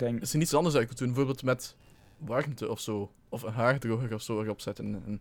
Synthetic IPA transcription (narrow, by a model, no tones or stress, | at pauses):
sənitsɑndərsɛkutdunmbəvoːɹbeːlˠtmɛt | ʋɑrmtəʔɔfsoː | ɔfənɦaːrdroɣərɔfsoːərɔpsɛtənən